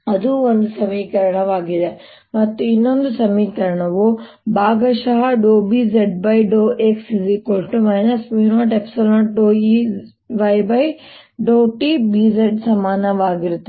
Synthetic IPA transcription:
ɐd̪ʱũʋɐnd̪sɐmikɐɾɽ̃aʋaːɡɪɾa | ʋɐt̪ɪnə̃nd̪sɐmikɐɾɽ̃ɐʋo | baːɡɐʃaːɦɖoːbiːzeɖ̚baːiɖoːʔeːksizikoːlʈumaːɪnɐsminaʈepsɐlə̃ʈɖoːi | ʋaːjbaːi | ɖoːʈibiːzeɖsɐmaːnaʋaːɡɪɾt̪

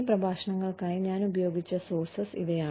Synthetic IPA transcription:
prɐbʱaːʂɐɳɐŋːɐɭkaːjiɲaːnubɐjo̞ːɡit͡ɕːɐsoːrsɐsḭʋɐjaː

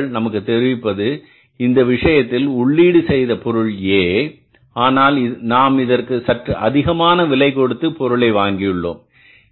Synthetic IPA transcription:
ɭnɐmɐkːɯt̪ːɛɾɪʋɪpːɐðɯ | ɪnd̪ɐʋɪʂɐjɐt̪ːɪlʊɭːiːɽɯsɛjðɐpɔɾɯɭjeː | aːnaːlɪnaːmɪðɐrkɯsɐʈrɯʔɐðɪɣɐmaːnɐʋɪlɐɪkːɔɽɯt̪ːɯpɔɾɯɭɐɪʋaːŋɡɪjɯɭːo̰ːm

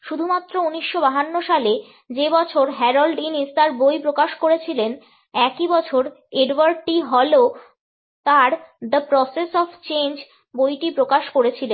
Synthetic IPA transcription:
ʃud̪ʱumat̪ːɾouniʃːobaɦanːoʃale | d͡ʑebɔt͡ɕʰoɾɦɛɾolɖinist̪aɾbojpɾokaʃkoɾet͡ɕʰilen | ɛkibɔt͡ɕʰoɾ | eɖwaɾʈiɦɔlo | t̪aɾd̪əpɾɔsesɔft͡ɕend͡ʑ | bojʈipɾokaʃkoɾet͡ɕʰilen

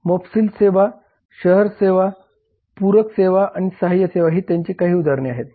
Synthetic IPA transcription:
mofsiːlseʋa | ɕəɦəɾseʋa | puɾəkseʋaʔaɽ̃isaɦajːəseʋaɦiːt̪jaɲt͡ɕiːkaɦiːud̪aɾniaɦet̪̚

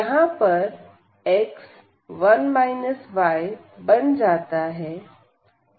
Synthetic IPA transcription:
jɐɦãpɐɾ | eks | ʋɐnmaːɪnəsʋaːɪ | bɐñd͡ʑaːt̪aɦɛː

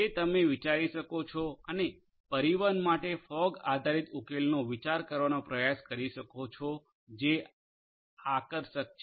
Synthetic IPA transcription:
et̪əmeʋit͡ʃaɾiʃəkot͡ʃʰɔəne | pəɾiʋənmaʈefɔɡad̪ʱaɾit̪ukelnoʋit͡ʃaɾkəɾʋanopɾəjaskəɾiʃəkot͡ʃʰo | d͡ʒe | akəɾʃək̚t͡ʃ

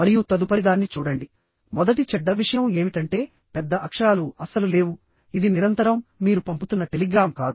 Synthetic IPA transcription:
mɐɾijut̪ɐd̪upɐɾid̪aːnːit͡ʃuːɽɐɳɖi | mɔd̪ɐʈit͡ʃɛɖːɐʋiʂɐjɐme̞ːmiʈɐɳʈe̞ː | pɛd̪ːɐʔɐkʂaːluɐsɐlule̞ːʋu | id̪iniɾɐnt̪ɐɾɐmːiːɾupɐmput̪unːɐʈe̞liɡɾaːmkaːd̪u

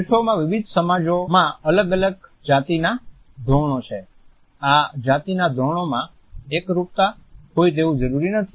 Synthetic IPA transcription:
ʃomãʋɪʋid̪ʱsəmad͡ʒomãələɡələɡd͡ʒat̪ina | d̪ʱoɳ̃ot͡ʃʰe | ad͡ʒat̪inad̪ʱoɳ̃omã | ekɾuk̚t̪aɦoid̪eʋũd͡ʒəɾuɾinət̪ʰi̥

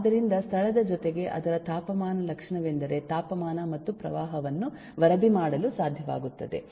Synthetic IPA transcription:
d̪ɐɾind̪ɐst̪ʰɐɭɐd̪ɐd͡ʒɔt̪e̞ɡe̞ʔɐ̰d̪ɐɾɐt̪aːpɐmaːnɐlɐkʂɐɳɐʋend̪ɐɾe̞t̪aːpɐmaːnɐmɐt̪ːupɾɐ̰ʋaːɦɐʋɐnːu | ʋɐɾɐbimaːɽɐlusaːd̪ʱjɐʋa̰ːɡut̪ːɐd̪e̞̰

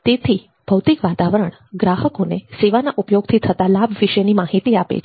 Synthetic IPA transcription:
t̪et̪ʰi | b̥ʱəʋt̪ikʋat̪aʋəɾəɳ | ɡɾaɦəkoneseʋanaʔupjoɡ̚t̪ʰit̪ʰət̪alabʱʋiʃənimaɦit̪iapḛt͡ʃʰ

